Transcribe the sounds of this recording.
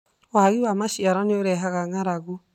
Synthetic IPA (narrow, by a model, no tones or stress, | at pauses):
waɣiwamaʃiaɾaneoɾɛɦaɣaŋaɾaɣu